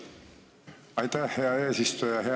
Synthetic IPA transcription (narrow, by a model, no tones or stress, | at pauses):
ɑjt̪æheɑeːsist̪ujɑɦe